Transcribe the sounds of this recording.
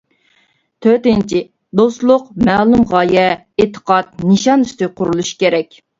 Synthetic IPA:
t̪ʰøɾt̪ɪnt͡ʃʰi | d̪ost̪lˠʊqmæːlˠumʁɑːjɛ | et̪ʰə̥qɑt̪̚nɨʃɑny̥st̪ɪqʰʊɾulˠuʃkʲeɾɛkʲ

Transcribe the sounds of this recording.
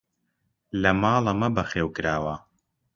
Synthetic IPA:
lɐmɑːlˠɐmɐbɐχeːwkɨɾaːwɐ

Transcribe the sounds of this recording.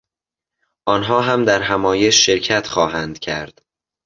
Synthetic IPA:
ʔɒːnɦɒːɦæmd̪æɾɦæmɒːjeʃːe̞ɾkcʰæt̪ʰxɒːɦænd̪̥cʰæɾd̪̥

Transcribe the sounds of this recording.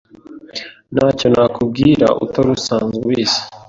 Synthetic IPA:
naːco̞nakʰub̚ɡiːɾa̰ʔṵtoɾusaːnzuwiːsi̥

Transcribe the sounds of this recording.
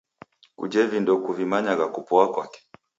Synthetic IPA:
ṵd͡ʒɛvindɔkuvimaɲaɡakupɔakwakɛ̥

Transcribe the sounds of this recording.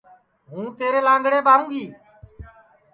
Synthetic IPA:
ɦũːt̪eːɾeːlãːŋɡɽeːbaːɦũːɡiː

